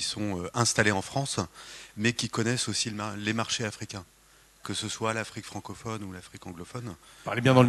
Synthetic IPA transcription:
isɔ̃øɛ̃st̪aleɑ̃fχɑ̃smɛkʲikɔnɛsosillemaʁʃeafχikʲɛ̃ | kəsəswalafχikfχɑ̃kɔfɔnulafχikɑ̃ɡlɔfɔnpaʁlebjɛ̃d̪ɑ̃l

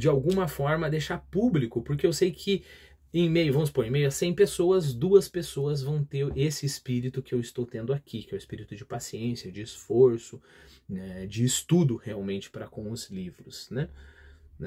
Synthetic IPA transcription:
d͡ʒɪawɡũmɐfɔɾmɐd̪ejʃaɾpublikʊpoɾkeewsejkʰɪ | ẽmejʊvɐ̃mʊspõɾ̃ĩmejʊɐsẽj̃pesoɐzd̪uɐspesoɐzvɐ̃w̃t̪eɾesɪːspiɾit̪ʊkɪewɪst̪owt̪ẽnd̪ʊakʰikɪɛwʊɪspiɾit̪ʊd͡ʒɪpasiẽsjɐd͡ʒɪːsfoɾsʊ | nɛd͡ʒɪːst̪ud̪ʊheawmẽnt͡ʃɪ̥pɾɐkõw̃ʊzlivɾʊsnɛ | n

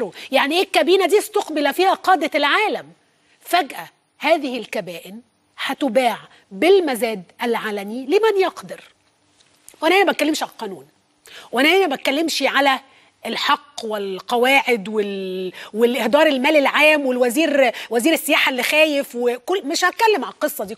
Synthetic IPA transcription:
jaʕniʔeːkːæbiːnæd̪iːst̪oqbelæfiːhæqɑːd̪ælʕaːlæm | fæɡʔæ | hæːðɪhɪlkæbæːʔɪn | hæt̪ʊbaːʕ | bɪlmæzæːd̪ʔælʕaːlæmilɪmænjɑqd̪ɑɾ | wʔænæʔænæbæt̪̚kælːemʃʕalqɑːnuːn | wʔænæʔæːnæbæt̪̚kːælːemʃʕalæ | lħɑqːwɪlqɑwaːʕed̪welwelʔehd̪ɑːɾˤelmæːlelʕaːmwelwæziːɾwæziːɾesːejaːħaʔlːixæːjefwekolmeʃhæt̪̚kælːemʕallqɨsˤːɑd̪iː

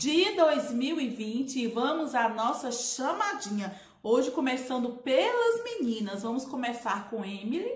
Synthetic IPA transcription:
d͡ʒɪɐd̪ojzmiwɪvĩt͡ʃɪːvɐ̃mʊzanɔsɐʃɐmad͡ʒĩɲɐ | oʒɪkõmesɐ̃nd̪ʊpelɐzminĩnɐzvɐ̃mʊskõmesaɾkõemili

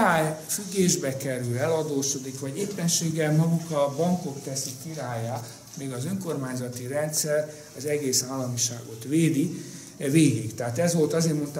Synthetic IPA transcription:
aːjfyɡːeːʒbɛkɛɾylɛlɒd̪oːʃo̞d̪ikʋɒɟeːpːɛnʃeːɡɛlmɒɡukɒbɒŋko̞kt̪ɛsikːiɾaːjaː | meːɡɒzøŋko̞rmaːɲzɒt̪iɾɛnt̪sɛr | ɒzɛɡeːsaːlːɒmiʃa̰ːɡo̞t̪ʋeːd̪i | veːɡikt̪ɛɦaːt̪ɛzʋo̞lt̪ɒzeːrmo̞nt̪

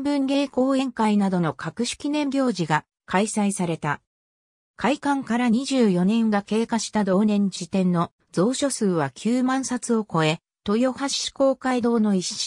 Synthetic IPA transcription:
bɯ̟̃ŋɡʲe̞ːko̞ːẽ̞ŋkainad̪o̞no̞kʰakɯ̟ɕi̥kʲinẽ̞mbʲo̞ːʑiɡa | kʰaisaisaɾe̞t̪a | kʰaikãŋkaɾaɲ̟iʑɨːjo̞nẽ̞ŋɡake̞ːkaɕi̥t̪ad̪o̞ːnẽ̞ɲ̟d͡ʑit̪ẽ̞nːo | d͡zo̞ːɕo̞sɨːβakʲʰɨːmãɰ̃sat͡sɨo̞ko̞e̞ | t̪o̞jo̞haɕi̥ko̞ːkaid̪o̞ːno̞iɕi̥

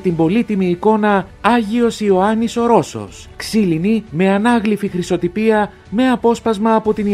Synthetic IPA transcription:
t̪imbo̞lit̪imiːko̞nɐɐʝio̞sio̞ɐniso̞ɾo̞so̞̰s | ksilinime̞ɐnɐɣlifixɾiso̞t̪ipiɐ | me̞ɐpo̞spɐzmɐːpo̞t̪in

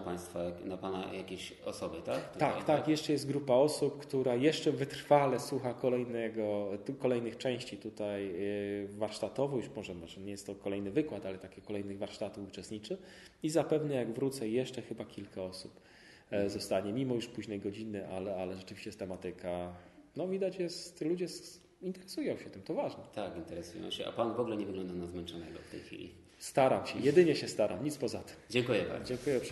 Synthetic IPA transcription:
paj̃st̪faanapana̰jakʲeɕ | ɔ̰sɔbət̪ak̪akt̪akjɛʂt͡ʂɛjɛst̪̚ɡɾupaɔsupkt̪uɾajɛʂt͡ʂɛvɘt̪ɾfalɛswuxakɔlɛjnɛɡɔkɔlɛjnɘxt͡ʂɛ̃w̃ɕt͡ɕit̪ut̪aj | vaɾʂt̪at̪ɔvɔjuʂmɔʐɛmɔʐɛɲɛjɛst̪ːɔkɔlɛjnɘvɘkwat̪alɛt̪akʲikɔlɛjnɘɣvaɾʂt̪at̪ufut͡ʂɛst̪ɲit͡ʂɘ | izapɛvnɛjaɡvɾut̪sɛjɛʂt͡ʂɛxɘbakʲilkʰaɔsup | zɔst̪aɲɛmʲimɔjuʂpuʑnɛjɡɔd͡ʑinɘʔalɛalɛʐɛt͡ʂɘvʲiɕt͡ɕɛjɛst̪ɛmat̪ɘkʰanɔvʲid̪at͡ɕjɛstt̪lud͡ʑɛs | int̪ɛɾɛsujɔ̃w̃ɕɛt̪ɘmt̪ɔvaʐnɛt̪akint̪ɛɾɛsujɔ̰̃w̃ɕɛ̰ʔa̰panvɔɡlɛɲɛvɘɡlɔnd̪anazmɛnt͡ʂɔnɛɡɔ̰ft̪ɛ̰jxʲfʲḭlʲḭ | st̪aɾamɕɛjɛd̪ɘɲɛɕɛst̪aɾʔa̰mɲit̪spɔzat̪ɘ̥md͡ʑɛŋkujɛba̰ɾd͡ʑɛŋkujɛʂ

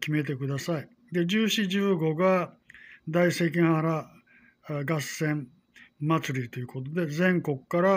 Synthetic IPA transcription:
kʲime̞t̪e̞kɯ̟d̪asai | d̪e̞d͡ʑɨːɕiʑɨːɡo̞ɡa | d̪aise̞ːk̬ʲĩɰ̃haɾa | ɡasẽ̞m | mat͡sɨɾʲit̪o̞jɯ̟ko̞t̪̬o̞d̪e̞zẽ̞ŋko̞kɯ̟̥kːaɾa

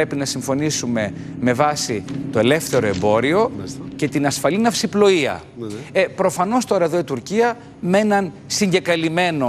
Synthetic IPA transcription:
e̞pinɐsiɱfo̞nisume̞me̞vɐsit̪o̞e̞le̞fθe̞ɾo̞e̞mbo̞ɾio̞ce̞t̪inɐsfɐlinɐfsiplo̞iɐ̰ | epɾo̞fɐno̞st̪o̞ɾɐe̞ðo̞it̪uɾciɐ | me̞nɐnsiɲɟe̞kɐlime̞no̞

